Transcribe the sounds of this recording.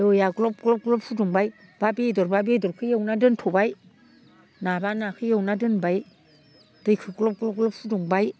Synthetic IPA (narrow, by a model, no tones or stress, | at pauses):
jɔjaɡlɔp̚klɔp̚ɡlɔp̚sʰuduŋbaj | b̥abedɔɾbabedɔɾkʰɯjawnadɯntʰɔbaj | nabanakʰɯjawnadɯnbaj | d̥ɯjkʰɯklɔp̚klɔp̚ɡlɔp̚suduŋbaj